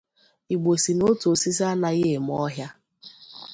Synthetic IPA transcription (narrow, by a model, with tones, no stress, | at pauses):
i˨ɡ͡bo˨si˨no˦to˨si˦s̬a˦na˦ɣe˦˨m˦ɔ˦ɦja˦